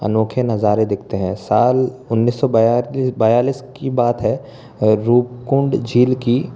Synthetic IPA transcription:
ə̰noːkʰenɐzaːɾed̪ɪkʰt̪eɦɛ̃ːsaːlʊnːiːsːɔbjabaːjaːliːskibaːt̪ɦɛ | ɾuːpkʊ̃ɳɖd͡ʒʱiːlki

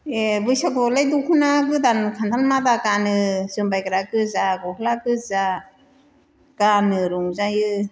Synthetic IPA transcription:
ebɯjsakɔlajdɔkʰɯnaɡɯdankʰantʰanmadakanɯzɯmbajkɯɾakɯzaɡɔkʰlakɯza | kanɯɾuŋzajɯ

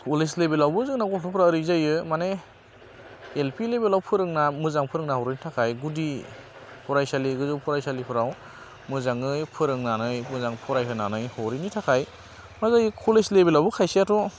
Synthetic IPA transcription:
uleslebelawbɯzɯŋnaɡɔkʰɯpʰɾaɾɯzajɯmane | elpʰilebelawpʰɯɾɯŋnamɯzaŋpʰɯɾɯŋnaɦɔɾinitʰakʰajɡudi | pʰɔɾajsaliɡɯzɯwpʰɔɾajsalipʰɯɾaw | mɯzaŋɯjpʰɯɾɯŋnanɯjmɯzaŋpʰɔɾajɦʰɯnanɯjhɔɾinitʰakʰaj | mazajɯkʰuleslebelawbukʰajsiatʰɔ

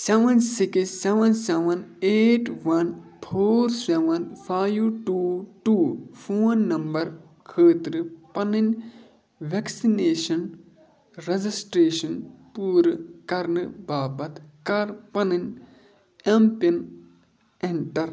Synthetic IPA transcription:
seʋɐnsiksːeʋɐnseʋɐneːʈʋɐnpʰoːɾseʋɐnpʰaːjʈuːʈuːfʰoːnːɐmbɐɾ | kʰəːt̪ɾɨpɐnɨn | ʋeksineːʃɐn | ɾed͡ʒisʈɾeːʃɐnpuːɾkɐɾnɨbaːbɐt̪kɐɾpɐnɐnʲ | empin | eɳʈɐɾ

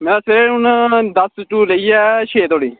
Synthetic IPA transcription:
mẽːɾaːseɾeʊnd̪əsʈuːləiːɛːʃʰeːt̪oːɽiː

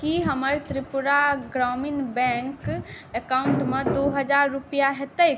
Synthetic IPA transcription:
kiɦəməɾt̪ɾipuɾaɡɾɔminbɛ̃ŋkekauɳʈmed̪oɦəd͡ʒaɾːupijaɦet̪əjk

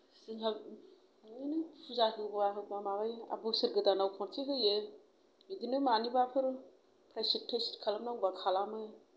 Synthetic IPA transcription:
siŋɦa | inɯpʰuzaɦɯbaɦɯw̚bamabaja̰bosɯɾɡɯdanawkʰɔntʰiɦɯjɯ | idinɯmanibapʰɯɾ | pʰɾajsitʰːestkʰalamnaŋbakʰalamɯ

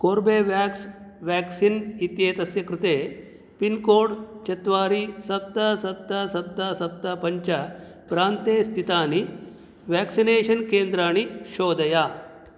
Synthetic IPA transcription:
koːɾbeːʋaːksʋæːksinit̪jeːt̪ɐsjɐkɾɪt̪eː | pinkoːɖt͡ʃɐt̪ʋaːɾisɐt̪ːasɐt̪ːasɐt̪ːasɐpt̪ːapɐɲt͡ʃɐ | pɾaːnt̪eːst̪ʰit̪aːni | ʋɛːksineːʃɐnkeːnd̪ɾaːɳ̃iʃoːd̪ɐjaː

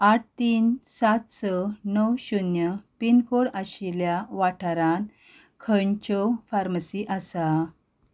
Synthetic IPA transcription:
aʈ̚ʰt̪iːnsat̪sənəwɕunjəpinkoɽaɕiljaʋaʈʰaɾãn | kʰənt͡ɕɔfaɾməsiʔasa

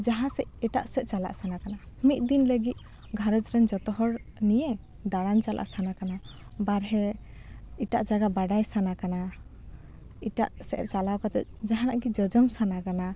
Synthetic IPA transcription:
d͡ʒaɦãsɛʔɛʈaʔsɛt̪̚t͡ʃala̰ʔsanakana | mit̪̚d̪inləɡit̪̚ˀ | ɡʱaɾɔd͡ʒɾɛnd͡ʒɔt̪ɔɦɔɽnije | d̪aɽant͡ʃalʔa̰ʔsanakanabaɾɦɛ | iʈaʔd͡ʒaɡabaɖajsanakana | iʈa̰ʔsɛʔɛ̰ɾt͡ʃalawkɔt̪ɛ̰t̪̚d͡ʒaɦãnaʔɡid͡ʒɔd͡ʒɔmsanakana

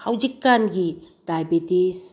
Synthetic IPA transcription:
hawd͡ʒikːanɡi | d̥ajbitis

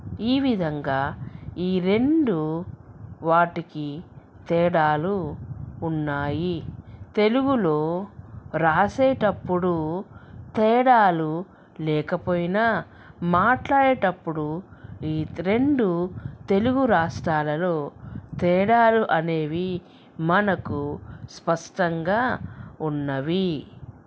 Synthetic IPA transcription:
iːʋid̪ʱɐŋɡaːiːɾe̞ɳɖu | ʋaːʈiki | t̪ɛːɽaːluː | nːaːjit̪e̞luɡulo̞ː | ɾaːseːʈɐpːuɽu | t̪ɛːɽaːlu | lɛːkɐpoːjinɐ | maːʈlaːɽeːʈɐpːuɽuiːɾe̞ɳɖut̪e̞luɡuɾaːʂʈɾaːlɐlo̞ːt̪ɛːɽaːluʔɐne̞ːʋi | mɐnɐkuspɐʂʈɐŋɡaːunːɐʋi

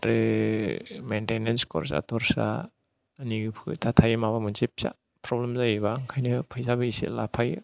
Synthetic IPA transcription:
ɾɯ | mentenenskɔ̰ɾsa̰tʰɔɾsa̰ː | niɡɯpʰɯ̰tʰatʰajmaβamɯnzip̚sa̰ | pɾɔblemzajbaŋkʰajnɯpʰɯjzabɐisḛlapʰaj

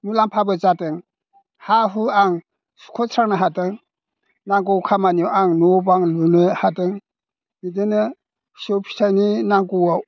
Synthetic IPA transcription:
mulampʰabɯt͡ʃatɯŋ | haɦuaŋ | su̥kʰɔsʰɾaŋnaɦatɯŋ | naŋɡɔwkʰamaniɔʔaŋnobaŋlunɯhatɯŋ | idenɯ | sowpʰi̥tʰajninaŋkɔwaw

